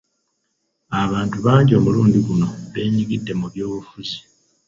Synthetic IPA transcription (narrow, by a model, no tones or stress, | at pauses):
aβaːntuβaːɲɟo̞ːmuluːndiɡuno̞βe̞ːɲiɡidːe̞muβjo̞ːβufuzi̥